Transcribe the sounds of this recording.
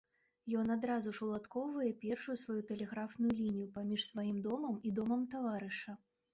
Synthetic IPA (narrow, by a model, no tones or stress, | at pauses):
jɔn̪ad̪ɾazuʂulˠat̪kɔwvɐjɛpʲɛrʂujusvajut̪ɛlʲɛɣɾafnujulʲinʲijupamʲiʂsvajimd̪ɔmɐmid̪ɔmɐmt̪avaɾɨʂɐ